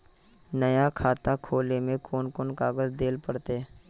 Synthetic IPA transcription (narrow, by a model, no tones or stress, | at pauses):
nəjakʰaːt̪akʰoːlemẽkʰoːnkoːnkaːɡəzd̪eːlpəɽt̪e